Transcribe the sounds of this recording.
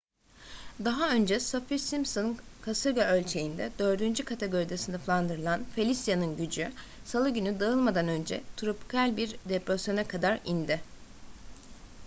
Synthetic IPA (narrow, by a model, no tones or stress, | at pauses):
d̪aɦaø̞nd͡ʒɛsafiɾsimsonkʰasɯɾɡaølʲt͡ʃʰe̞jind̪ɛd̪ø̞ɾd̪ynd͡ʒykʰat̪ʰeɡo̞ɾid̪asind̪aflˠand̪ɯɾɯlˠanfelʲist̪janɯnɟyd͡ʒy | salˠɯɟynyd̪aɯlˠmad̪anø̞nd͡ʒɛt̪ʰɾopi̥kʰalʲbiɾd̪epɾasjo̞nakʰad̪aɾind̪ɪ